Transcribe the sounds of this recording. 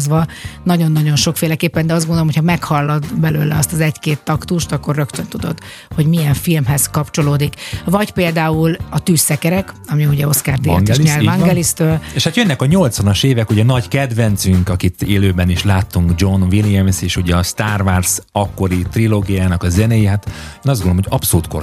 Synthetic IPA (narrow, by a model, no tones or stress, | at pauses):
zʋɒnɒɟo̞nːɒɟo̞nʃo̞kfeːlɛkeːpːɛnd̪ɛɒzɡond̪olomocʰhɒmɛkhɒlːɒd̪bɛløːlɛ̰ɒst̪ɒzɛɟkeːt̪ːɒkt̪uʃt̪ɒkːo̞rrø̞kt̪ønt̪ud̪o̞t̪ | ho̞ɟmijɛɱfilmɦɛzkɒpt͡ʃo̞loːd̪ikvɒɟpeːld̪aːulɒt̪yːsːɛkɛɾɛkɒmiuɟɛo̞skaːrd̪iɡ̪iʃɲɛlt̪vɒŋɡɛlist̪øːleːʃhat̪jønːɛkɒɲo̞lt̪sʋɒnɒʃeːvɛkuɟɛnɒɟkɛd̪ʋɛnt̪syŋkɒkit̪eːløːbɛniʃlaːt̪ːuŋɡd͡ʒo̞nviljɛmseːʃuɟɛɒst̪aːrvarsɒkːo̞ɾit̪riloːɡijaːnɒkɒzɛnɛjiɦat̪eːnɒzɡonomɦoɟɒpsoluːt̪̚ko